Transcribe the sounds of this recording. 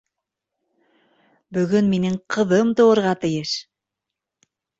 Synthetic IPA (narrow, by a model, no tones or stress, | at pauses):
bɵ̆ɣɵnminɘŋqʰɤ̆ðɤmt̪oŏɾʁɑt̪ɘ̆jɤʃ